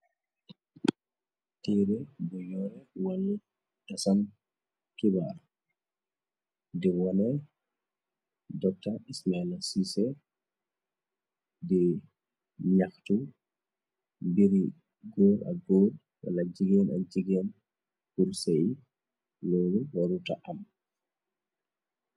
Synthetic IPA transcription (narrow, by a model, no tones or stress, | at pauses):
tiɾɛbɔjɔɾɛwalː | tasan | kiba | dɛwɔnɛ | dɔtːaismaɛlasisɛ | dɛ | ɲaktu | mbiɾi | ɡoɾa̰ɡoːd | wa̰lad͡ʒiɡɛna̰d͡ʒiɡɛn | kulseji | loluwaɾuta̰ʔam